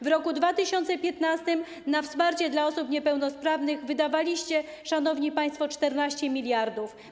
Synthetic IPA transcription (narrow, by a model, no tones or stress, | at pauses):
vɾɔkud̪vat̪ɘɕɔnt̪sɛpʲjɛt̪nast̪ɘm | nafspaɾt͡ɕɛd̪laɔsupɲɛpɛwnɔspɾavnɘɣvɘd̪avalʲiɕt͡ɕɛ | ʂanɔvɲipaj̃st̪fɔt͡ʂt̪ɛɾnaɕt͡ɕɛmʲilʲjaɾd̪uf